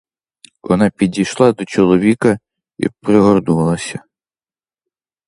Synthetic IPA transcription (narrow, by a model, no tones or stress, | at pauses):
ʔɔ̰nɑpʲidʲijʃlˠɑd̪ɔt͡ʃɔlˠɔʋʲikɐ | ḭpɾɪɦɔrd̪uʋɐlˠɐsʲɐ